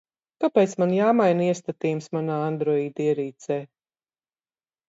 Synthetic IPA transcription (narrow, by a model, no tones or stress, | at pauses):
kapeːt̪smanjaːmajniɛst̪at̪iːmsmanaːand̪ɾɔiːd̪iɛɾiːt̪sɛː